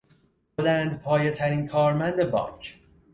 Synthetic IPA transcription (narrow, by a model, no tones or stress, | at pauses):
bolænd̪pʰɒːjet̪ʰæɾiːnkʰɒːɾmænd̪ebɒ̰ːŋkʰ